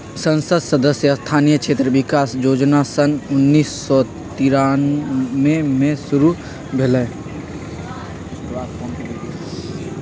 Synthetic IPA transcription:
sə̃nsəd̪səd̪əsjəst̪ʰaːnijəkʃʰeːt̪ɾəʋɪkaːsjoːd͡ʒnasənʊnːiːsːɔ | t̪ɪɾaːnmẽmẽsʊɾu | bʱelɛ | ʃʊɾuaːt̪̚kɔːnkː

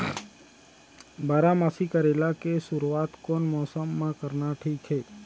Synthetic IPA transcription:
baɾamasikəɾelakesʊɾuat̪konmɔsəmːãkəɾnaʈʰiːkʰɦe

